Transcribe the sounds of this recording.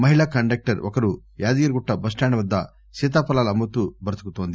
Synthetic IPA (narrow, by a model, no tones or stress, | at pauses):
mɐɦiɭɐkɐɳɖek̚ʈɐɾɔ̰kɐɾujaːd̪ijɐɾɡuʈːɐbɐsʈaːɳɐʋɐd̪ːɐ | seːt̪̬aːpɐlaːlɐmbɐt̪ubɐɾt̪ɐkut̪ːoːnd̪i